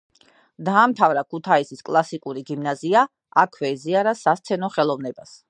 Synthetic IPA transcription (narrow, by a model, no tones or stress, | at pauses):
d̪aːmt̪ʰavɾakʰut̪ʰaisiskʼlˠasikʼuɾiɡimnazia | akʰvɛiziaɾasast̪sʰɛnɔχɛlˠɔvnɛbas